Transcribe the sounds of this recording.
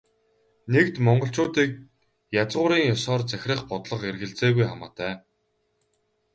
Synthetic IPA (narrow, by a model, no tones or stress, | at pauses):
nekt̪mɔɴɢɞ̆ɬt͡ɕʊːt̪iːk̚ | jat͡sʁʊːɾiːŋjɔsɔːrt͡sæx̆ʲrə̆χpɔt̪ɮɞ̆qerɣɘ̆ɮt͡seːɣujχamaːt̪æː